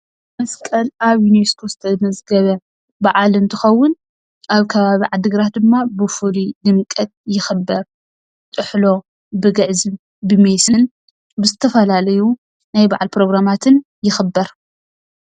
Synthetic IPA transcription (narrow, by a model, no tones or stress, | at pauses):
mɐskʼɐlaβjuneskʰozɨt̪ʰɐmɐzɡɐβɐ | baʕalɨnt̪ʰɨxɐwːʊn | ʔaβkʰɐβaβiʕad̪ɨɡɾat̪̚d̪ɨmːabɨfulid̪ɨmkʼɐt̪̚jɪxɨbːɐɾ | t̪ʼɨħlo̞ | bɨɡɐʕzɨn | bɨmesɨn | bɨzɨt̪ʰɐfɐlalɐju | najba̰ʕalpɾo̞ɡɾamat̪ʰɨn | jɪxɨbːɐɾ